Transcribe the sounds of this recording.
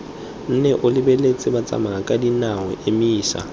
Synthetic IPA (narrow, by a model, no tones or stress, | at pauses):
n̩nɛʔʊlɪbɛlet͡sʼɪbat͡sʼa̰maakʼadinawɛ̰ʔemiːsa̰